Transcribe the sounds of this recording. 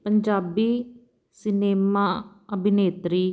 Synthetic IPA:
pəɲd͡ʒaːbiː | sɪneːmaː | əbʱɪneːt̪ɾiː

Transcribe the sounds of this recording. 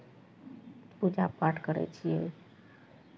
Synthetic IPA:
pud͡ʒapaʈkəɾɛ̰t͡ʃʰijɛ

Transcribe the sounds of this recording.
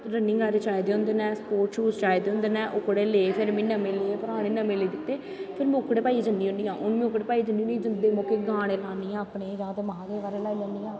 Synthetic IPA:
ɾənːɪ̃ŋɡaːɾeːt͡ʃaːjd̪eːõnd̪eːnɛ̃ːspoːɾʈʃuːst͡ʃaːjd̪eːʊ̃nd̪eːnɛ̃ːʔʊkɽeːleːpʰɪɾmɪnəmeːleeːpəɾaːɽẽːnəmeːleːd̪ɪt̪ːeː | pʰɪɾm̃ːʊkɽeːpaːiːd͡ʒənd̪iːõniːãːʔʊnmĩːʊkɽeːpaːid͡ʒənːiːnid͡ʒənd̪eːmoːkeːɡãːɽ̃eːlaːniːãːəpneːd͡ʒãːt̪emaãːd̪eːʋaːɾeːlaːiləːniːãː

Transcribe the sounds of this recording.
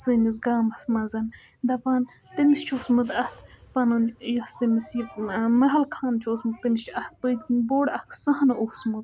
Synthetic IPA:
sɨnizɡaːmɐsmɐzɐn | d̪ɐpaːn | t̪ɨmist͡ʃʰosmɨd̪ɐht̪ʰpɐnɐnjost̪ɨmisimɐɦɐlkʰaːnt͡ʃʰoːsmɨd̪̚t̪ɨmist͡ʃʰɐht̪̚ʰpəd̪kinboːɽɐht̪ʰsɐɦɐnosmud̪

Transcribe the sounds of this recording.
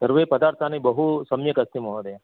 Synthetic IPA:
səɾʋepəd̪aɾt̪ʰanibəɦusəmjəkəst̪iməɦod̪a

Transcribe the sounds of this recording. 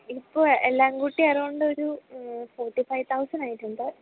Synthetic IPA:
ipːoːelːaːŋɡuʈːiɐroɳɖɨoɾufoːʈːifɐjt̪ʰɐwsɐnaːjiʈːuɳɖɨ

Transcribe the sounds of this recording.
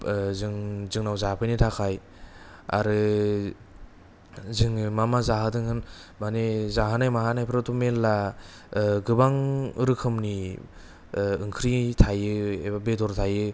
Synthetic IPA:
zɯŋzɯŋnawzapʰɯjnitʰakʰaj | a̰ɾɯ | zɯŋmamazaɦadɯŋhɯnbanezaɦanajmaɦanajpʰɾatumelːa | ɡɯbaŋɾɯkʰɯmni | ɯŋkʰɾitʰajɯebabedɔɾtʰajɯ

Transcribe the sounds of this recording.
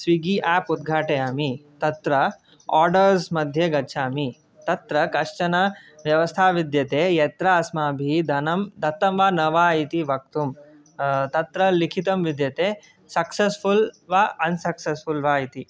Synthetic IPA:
sʋiɡiʔaːpud̪̚ɡʱaːʈejaːmit̪ɐt̪ɾɐ | aːɾɖɐɾsmɐd̪ʱjɐɡɐt͡ʃʰaːmi | t̪ɐt̪ɾɐkɐʂt͡ʃɐnɐ | ʋjɐʋɐst̪ʰaːʋid̪jɐt̪eːjet̪ɾɐːsmaːbʱid̪ʱɐnɐmd̪ʱɐt̪ːɐmʋaːnɐʋaːit̪iʋɐk̚t̪um | t̪ɐt̪ɾɐlikʰit̪ɐmʋid̪jɐt̪eː | sɐksesfʰulʋaːɐnsɐksesfulʋaːit̪i

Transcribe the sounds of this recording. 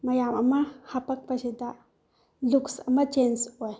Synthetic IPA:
mɐjamɐmɐhɐpɐk̚pɐsid̪a | luksɐ̰mɐt͡ʃensoj

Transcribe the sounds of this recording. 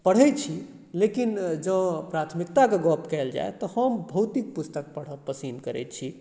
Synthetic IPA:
pəɽ̤ɛt̪t͡ʃʰi | lekind͡ʒə̃pɾat̪ʰmikt̪akeɡɔpkɛld͡ʒa̰et̪ɔhəmbʱəwt̪ik̚pust̪ək̚pəɽ̤əpəsinkəɾɛ̰t̪̚t͡ʃʰi

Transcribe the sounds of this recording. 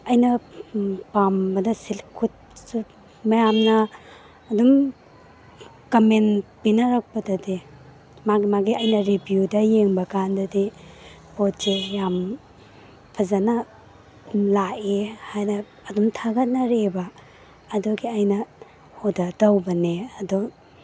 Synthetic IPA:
ɐjnɐ | pambɐdɐsilkʰut̚su | mɐjamnɐː | dum | kɐmenpinɐɾak̚pɐdɐdi | maɡimaɡiɐjnɐɾibjudɐjeŋbɐkandɐdi | pɔtsejam | pʰɐzanɐ | laʔehajnɐː | dumtʰaɡɐt̚nɐɾebaː | dɔɡiajnɐ | hɔdadɐwbɐneɐdɔ

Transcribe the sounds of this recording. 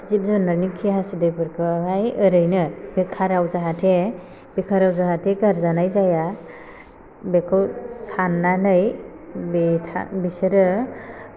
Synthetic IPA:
zip̚zunɯnikʰːiɦasidɯjpʰɯɾkʰɯɦajɯɾɯjnɯbekʰaɾawzaɦatʰe | bekʰaɾawzaɦatʰeɡaɾzanajzaja | bekʰɯwsanːanɯjbitʰa̰bisɯɾɯ

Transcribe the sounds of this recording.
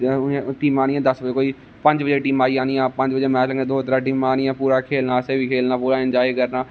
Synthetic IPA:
ʈiːmaːɽ̃ɪãːd̪əsbəd͡ʒeːkoːiː | pə̃ɲd͡ʒbəd͡ʒeːʈiːmaːiːãːnijãːpə̃ɲd͡ʒbəd͡ʒeːmɛ̃ːt͡ʃləŋɡẽːd̪oːɦət̪ɾaːʈ̬iːmaːñɪãːpuːɾaːkʰeːlnaːəsẽːʋiːkʰeːlnaːpuːɾaːɪnd͡ʒaːikəɾnaː

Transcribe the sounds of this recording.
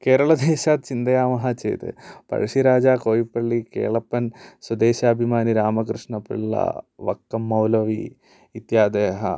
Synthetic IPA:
keːɾɐɭɐd̪eːɕaːt̪̚t͡ʃind̪ɐjaːmɐɦɐt͡ʃḛːt̪ɨ̰pɐ̰ɻɐʂiɾaːd͡ʒaːkoːjipːɐɭːikḛːɭɐpːɐnswɐd̪eːɕaːbʱimaːniɾaːmɐkɾɨʂɳɐpḭɭːɐ̰ʋɐ̰kːɐmːɐwlɐʋiː | t̪jaːd̪eːɦɐ̰

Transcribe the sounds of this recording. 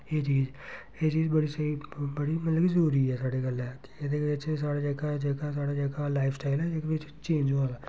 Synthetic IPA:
eːt͡ʃiːz | eːt͡ʃiːzbəɽiːseibəɽiːmət̪ləɡzəɾuːɾiːɛːsaːɖeːɡəlɛːkɪ̥ed̪eːɡəɪt͡ʃːsaːɽaːd͡ʒəɡaːd͡ʒəːɡaːsaːɽaːd͡ʒəɡaːlaːɪpʰsʈaːɪlɛːɪkʋɪt͡ʃ | t͡ʃẽːnd͡ʒoːd̪aː

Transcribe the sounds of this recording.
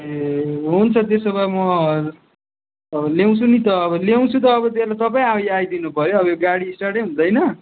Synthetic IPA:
ɦunt͡sʰʌt̪esʌβamʌ | ʌbʌlew̃t͡sʰunit̪ʌːβʌlew̃t͡sʰut̪ʌːbʌt̪elat̪ʌp̬aĩajajd̪inupʌɾjoʌbʌjoɡaɽiːsʈaɽeɦund̪ʌjnʌ

